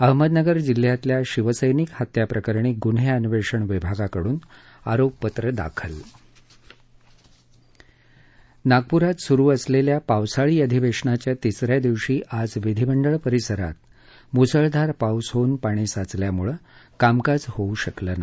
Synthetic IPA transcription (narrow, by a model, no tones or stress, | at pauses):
əɦməd̪nəɡəɾd͡ʑil̤ːjat̪ljaɕiʋəsəjnikhat̪japɾəkəɾɳiːɡunɦeənʋeʂəɳʋibʱaɡakəɽuːn | aɾopːət̪ɾəd̪a̰kʰəl | naɡ̚puɾat̪suɾuːəsleljapaʋsaɭiːəd̪ʱiʋeʂɳat͡ɕjat̪isɾjad̪iʋɕiːʔad͡zʋid̪ʱibəɳɖəɭpəɾisəɾa̰t̪̚ | musəɭd̪ʱaɾpawsɦonpaɽ̃iːsat͡sljamuɭəkamkad͡zhouɕəkləna